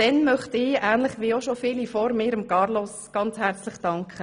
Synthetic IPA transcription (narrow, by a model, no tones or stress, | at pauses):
d̥ɛnmœχtɪːæːnlɪχʋiːoʃofiːlifɔɾmɪːɾəmkɑɾlɔsɡ̥ɑnt͡shæɾt͡slɪχd̥ɑŋkʰχə